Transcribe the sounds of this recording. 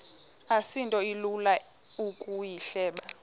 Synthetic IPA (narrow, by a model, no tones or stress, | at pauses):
asintʼɔilula | ukʼujiɬɛːɓa